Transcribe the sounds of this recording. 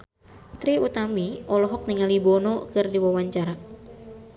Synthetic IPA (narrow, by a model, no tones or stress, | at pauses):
t̪ɾiut̪amiʔɔlɔɦɔk̚niŋalibɔnɔkɨrdiwawaɲt͡ʃaɾa